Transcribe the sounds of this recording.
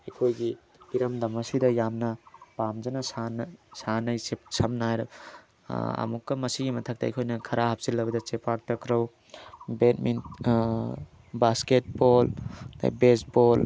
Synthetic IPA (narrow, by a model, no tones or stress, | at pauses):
ɐjkʰojɡi | iɾɐmdɐmɐsidɐjamnɐpamd͡ʒɐnɐsansanɐjsep̚sɐmnajɾɐ | ɐ̰mukːɐmɐsiɡimɐtʰɐk̚tɐɐ̰jkʰojnɐkʰɐɾahɐp̚silːɐbɐdɐt͡ʃepak̚tɐkɾɐw | betmin | basket̚bol̰besbol